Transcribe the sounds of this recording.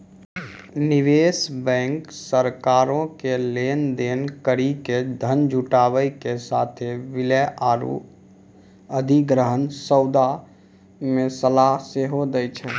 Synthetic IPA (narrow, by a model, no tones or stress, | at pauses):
niʋesbɛ̃ŋksəɾkaːɾõkelend̪enkəɾiked̪ʱənd͡ʒʱuʈaʋəjkesat̪ʰeʋiləʔaːɾṵ | əd̪ʱiɡɾəɦənsəwd̪a | mesəlaɦseɦod̪əjt͡ʃʰɛ